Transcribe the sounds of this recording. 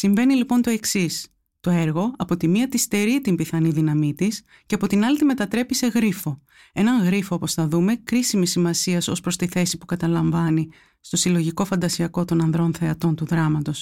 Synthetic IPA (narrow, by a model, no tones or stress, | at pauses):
siɱve̞nilipo̞nt̪o̞e̞ksis | t̪o̞e̞ɾɣo̞ɐpo̞t̪imiɐt̪ist̪e̞ɾit̪imbiθɐniðinɐmit̪is | ce̞ɐpo̞t̪inɐlit̪ime̞t̪ɐt̪ɾe̞pise̞ɣɾifo̞ | e̞nɐŋɣɾifo̞opo̞sθɐðume̞kɾisimisːimɐsiɐso̞spɾost̪iθe̞sipukɐt̪ɐlɐɱvɐni | st̪o̞silo̞ʝiko̞fɐnd̪ɐsiɐko̞t̪o̞nɐnðɾo̞nθe̞ɐt̪o̞nt̪uðɾɐmɐt̪o̞s